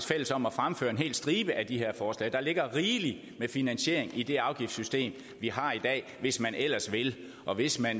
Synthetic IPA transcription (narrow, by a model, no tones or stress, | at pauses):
sfel̰əsɒ̽m̰ɒfʁamfø̰ːɐe̝nɦe̝̰ːl̥sd̥ʁiːb̥əʔæd̥ihe̝ɐ̰fɒːslɛ̰ːd̥ɑ̈le̝ɡ̥ɐʁiːli | mefinænsɕe̝̰ɐ̰eŋid̥e̝ɑ̈ʊɡ̥ifd̥sysd̥e̝̰ːm | ʋiɦɑ̈id̥ɛ̰ːʋe̝smænʔel̰ɐsʋe̝l | ʔɒ̽ʋe̝smæn